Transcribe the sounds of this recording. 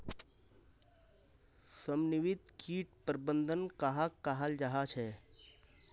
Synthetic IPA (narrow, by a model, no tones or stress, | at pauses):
səmnɪʋɪt̪kʰiːʈ̚pəɾbə̃nd̪ʱənkaɦakːaɦald͡ʒaɦat͡ʃʰɛː